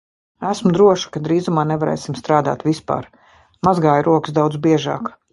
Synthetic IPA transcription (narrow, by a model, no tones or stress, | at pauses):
æsmʊd̪ɾuɔʃi̥kad̪ɾiːzumaːnevaɾɛ̰ːsimst̪ɾaːd̪a̰ːt̪vispa̰ːɾ | mazɡaːjɾuɔkɨ̥sd̪awd̪zbiɛʒɑ̰ːk